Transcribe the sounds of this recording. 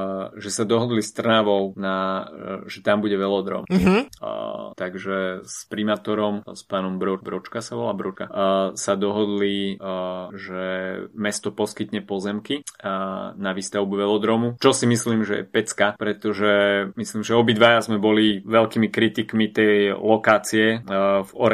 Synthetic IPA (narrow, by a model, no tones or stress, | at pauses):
ʒɛsad̪ɔɦɔd̪list̪r̩naʋɔʊna | ʒɛt̪ambuɟɛʋɛlɔd̪ɾɔ̰ːm̩ɦ̩ | t̪aɡʒɛspɾimaːt̪ɔɾɔmspaːnɔmbɾɔbɾɔt͡ʃkasaʋɔlabɾɔt͡ʃkasad̪ɔɦɔd̪li | ʒɛmɛst̪ɔpɔskit̪ɲɛpɔzɛmki | naʋist̪aʊbuʋɛlɔd̪ɾɔːmut͡ʃɔsimisliːmʒɛ̰jɛ̰pɛt͡skapɾɛt̪ɔʒɛmislimʒɛɔbid̪ʋajazmɛbɔliʋɛlkimikɾit̪ikmit̪ɛjlɔkaːt͡siɛvɔɾɛ